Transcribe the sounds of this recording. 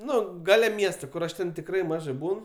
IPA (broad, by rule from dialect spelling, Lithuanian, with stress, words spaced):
ˈnʊ ˈɡɑːlʲɛ ˈmʲiɛstoː ˈkʊr ɐʃ ˈtʲɛn tʲɪkˈrɐɪ ˈmɑːʒɐɪ ˈbuːn